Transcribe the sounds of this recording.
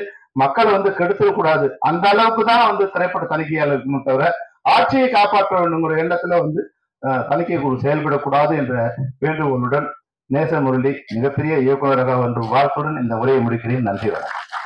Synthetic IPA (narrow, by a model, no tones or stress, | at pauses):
mɐkːɐɭʋɐnd̪ɯkɛɽɯt̪ːɯɾɐkːuːɽaːðɯɐnd̪ɐːɭɐʋɯkːɯt̪ãːʋɐnd̪ɯt̪ɪɾɐɪpːɐʈːɐt̪ɐnɪk̬ːɐjaːɭɪɾɯkːɯmɐʈːɐʋɐɾɐaːʈ̚t͡ʃɪjɐɪkaːpaːʈkːɐʋeːɳɖɯŋɡɪɾɐɛɳːɐt̪ːɪlʋɐnd̪ɯ | t̪ɐnɪkːɐɪkːuɽɯsɛjɐlpɐɽɐkːuːɽaːðɯɛndrɐʋeːɳɖɯkɔɭːɯɽɐn | neːsɐmʊɾɯɳɖimɪɣɐpːɛɾɪjɐɪjɐkːɐʋɐɾɐɣaːʋɐndrɯmʋaːɾt̪ɯɽɐnɪnd̪ɐʊɾɐjɐmʊɽɪkːɪɽɐjɪnɐndriʋɐ̰ːɽɐ̰